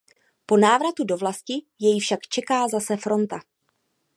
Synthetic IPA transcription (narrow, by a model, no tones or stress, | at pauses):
po̞naːvɾat̪udo̞vlascɪ | jɛjfʃakt͡ʃɛkaːzasɛfɾo̞nt̪a